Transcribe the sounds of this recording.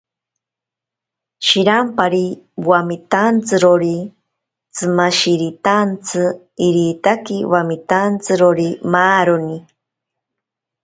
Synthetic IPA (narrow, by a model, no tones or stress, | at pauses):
ʃiɾampaɾiwwamit̪ant͡sɨɾoɾi | t͡sɨmaʃiɾit̪ant͡sʰɨ | iɾit̪akiwamit̪ant͡sɨɾoɾimaːɾoni